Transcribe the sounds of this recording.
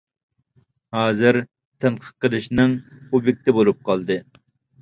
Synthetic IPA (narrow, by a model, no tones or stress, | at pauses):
hɑːzɨɾ | t̪ʰɛnqʰə̥q̪̚qːəlˠɨʃnɨŋubɪk̚ʲt̪ɛbolˠup̚qʰɑlˠd̪ɨ